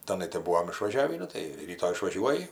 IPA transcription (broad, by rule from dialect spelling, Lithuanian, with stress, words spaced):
tɐˈnɐɪ tɐɪ ˈbuːʋoːm ɪʃʋɐˈʒʲæːʋʲiː ˈnʊ tɐɪ ˈrʲiːtoː ɪʃʋɐˈʒʲuɔjɪ